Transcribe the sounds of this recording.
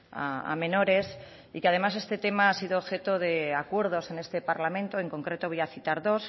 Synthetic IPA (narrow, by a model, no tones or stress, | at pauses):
a̰a̰mẽ̞no̞ɾe̞s | ikeaðe̞mas̬e̞st̪e̞t̪e̞maasiðoːβxe̞t̪o̞ðe̞akwe̞ɾð̞o̞se̞ne̞st̪e̞paɾlamẽ̞nt̪oe̞ŋko̞ŋkɾe̞t̪o̞βojaθit̪aɾðo̞s